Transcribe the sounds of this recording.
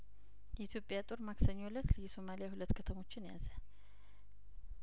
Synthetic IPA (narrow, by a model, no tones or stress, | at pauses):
jɛit̪ʰjo̞pʼjat̪ʼoɾmaksəɲːolət̪jɛso̞malijahulət̪ːkʰət̪ʰəmo̞t͡ʃːɪnja̰zə